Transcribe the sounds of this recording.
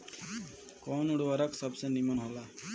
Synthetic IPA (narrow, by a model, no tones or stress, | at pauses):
kɔnuɽwaɾaksɔbsenimɔnɦola